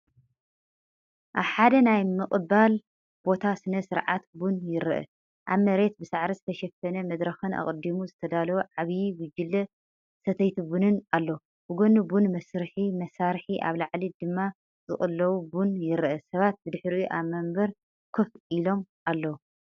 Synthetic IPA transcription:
ʔaβħad̪ɐnajmɨkʼɨbal | b̥o̞t̪ʰasɨnɐsɨɾʕat̪bunjɪɾʔɐ̰ | ʔaβmɐɾe̞t̪̚bɨsaʕɾizɨt̪ʰɐʃɛfɐnɐmɐd̪ɾɐxɨna̰χʼɨd̪imuzɨt̪ʰɐd̪alɐwuʕaβjiwʊd͡ʒɪlːɐ | sɐt̪ʰɐjt̪ʰibunɨnalːɐ | bɨɡonubunmɐsɾħimɐsaɾħiʔa̰βlaʕlid̪ɨmːa | zʼɨ̰χʼɨlːɐwubunjɪɾʔɐsɐβat̪̚bɨd̪ɨħɾijuʔaβmɐmbɐɾ | kʰofʔilo̞mʔalːɐwu

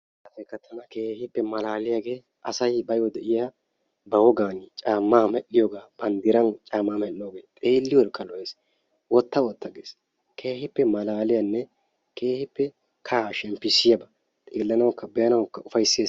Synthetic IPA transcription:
kɐt̪ɛkːɐt̪ʰːɐnɐke̞ːhɪpːɛmɐlaːlɪjaɡe̞ː | ʔɐsɐjbɐjɔd̪ɛʔɪja | bɐwɔɡaːnt͡ʃʼaːmːaːmɛʔɪjɔːɡaːb̥ɐnd̪ɪɾɐnt͡ʃʼaːmːaːmɛʔːoːɡeːt̪ʼeːlːɪwɔɾkʼːɐlɔjeːs | wɔt̪ːɐwɔt̪ːɐɡeːs | kʰeːhɪpːɛmɐlaːlɪjanːɛ | kʰe̞ːhɪpːɛ | kʰaʃɛmpːɪsɪjɐbɐ | t̪ʼeːlːɐnɐwkːɐbɛjɐnɐwkːɐʊfɐjsːeː

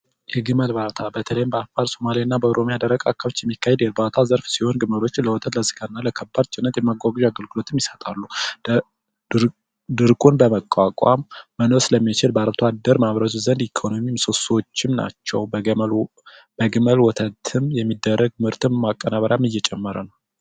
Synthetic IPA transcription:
jɛɡɨməlβat̪ʰabət̪ʰələjɪmbəafaɾso̞malinːabəoɾo̞mijad̪əɾəkʼakʰːaβot͡ʃːjɛmːikːahed̪jɛbat̪ʰazəɾfsiho̞nɡɨməlo̞t͡ʃːləwɔt̪ʰət̪ləzɨ̥ɡʰaɨnːaləkʰəbːad̪̚t͡ʃʼɪnːət̪jɛmːaɡʷaɡɨd͡ʒaɡəlɡɨlo̞t̪ʰɨmjɪsət̪ʼalːu | d̪ɨɾkʼunbəməkʼːakʼwa̰mːənoɾsɨləmːit͡ʃɪlbəaɾbt̪ʰoad̪əɾmaβɾət̪ʰuzənd̪ikʰo̞no̞mimsoso̞t͡ʃːɪmna̰t͡ʃːɛwbl | bəɡɨməlwɔt̪ʰət̪ʰɨmjɛmːid̪ːərːəɡ̚mɨɾt̪ʰɨmmakʼːənaβəɾamɨjɛt͡ʃʼɛmːəɾənəw

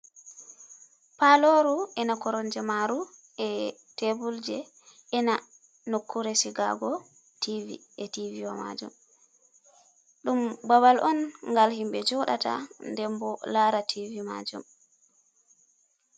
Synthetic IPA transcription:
paloɾuʔɛnakɔɾɔnd͡ʒɛmaɾu | ɛ | tebuld͡ʒɛ | ɛna | nokʰːuɾesiɡaɡɔ | tʰivḭ | ɛtiviwama̰d͡ʒṵm | ɗumbabalʔɔnŋɡalhimbɛd͡ʒɔɗa̰ta̰ndɛmbɔlaɾatʰivima̰d͡ʒṵm

